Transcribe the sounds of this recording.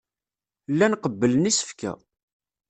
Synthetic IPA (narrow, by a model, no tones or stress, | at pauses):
lːænqəbːələnisə̥fkæ̰